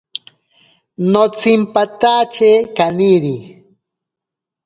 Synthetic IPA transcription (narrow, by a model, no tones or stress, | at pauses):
not͡simpat̪at͡ʃekaniɾi